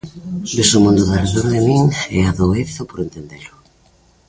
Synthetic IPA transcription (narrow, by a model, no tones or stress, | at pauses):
b̪esomũnd̪oðareðoɾaðemĩŋɛaðoeθopoɾent̪end̪elʊ